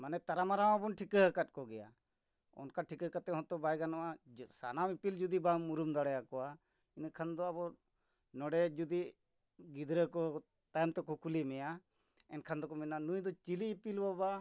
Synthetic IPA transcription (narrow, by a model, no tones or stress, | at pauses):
manɛt̪aɾamaɾawabɔnʈʰikəɦəkat̪̚kɔɡɛja̰ | ɔ̰nkaʈʰikəkat̪ːɛɦɔ̃t̪ɔbajɡanɔwasa̰namipild͡ʒud̪ibamuɾumd̪aɽɛjakɔa | inkʰand̪ɔabɔ | nɔɖɛd͡ʒud̪i | ɡid̪ɾəkɔ | t̪ajɛmt̪ɛkɔkulimɛja | ɛnkʰand̪ɔkɔmɛnanujd̪ɔt͡ʃiliːpilbaba